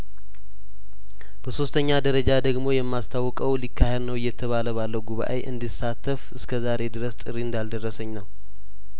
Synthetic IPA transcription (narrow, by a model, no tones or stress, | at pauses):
b̥əso̞st̪ʰəɲːad̪əɾəd͡ʒad̪əɡmo̞jɛmːast̪ʰawːɔkʼəwlikʰːahednəwɪjːɛt̪ʰəβaləβalːəwɡuβa̰ʔə̰ʔɨ̰nd̪isːat̪ʰːəfɨskʰəzaɾe̞d̪ɨɾəst̪ʼɨrːiɨnd̪ald̪ərːəsəɲːnəw